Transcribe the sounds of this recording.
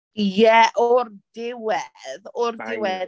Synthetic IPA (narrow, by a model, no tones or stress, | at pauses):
jɛʔɔɾd̥ɪwɛðɔɾdɪwɛð